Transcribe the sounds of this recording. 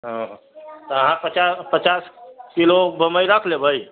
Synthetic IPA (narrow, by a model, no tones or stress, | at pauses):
ɦə̃ɦ | t̪ɔəɦãpət͡ʃapət͡ʃaskilobʱəməiɾəkʰlebʱəj